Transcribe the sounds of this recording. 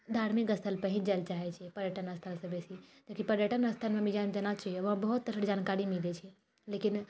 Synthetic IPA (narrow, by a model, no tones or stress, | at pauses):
d̪ʱaɾmikəst̪ʰəlpəɦĩd͡ʒalt͡ʃaɦɛt͡ʃʰɛpəɾjəʈənəst̪ʰəlsəbesid͡ʒakipəɾjəʈənəst̪ʰənmemid͡ʒamd̪enat͡ʃaɦijoʋɦãbəɦut̪̚ːəsʰəɽd͡ʒankaɾimilɛt͡ʃʰɛ | lekin